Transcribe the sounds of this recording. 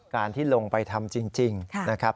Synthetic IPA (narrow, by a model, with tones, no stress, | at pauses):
kaː˧nt̪ʰiː˥˩lo˧ŋpa˧jt̪ʰa˧mt͡ɕi˧ŋt͡ɕi˧ŋna˦˥kʰɾa˦˥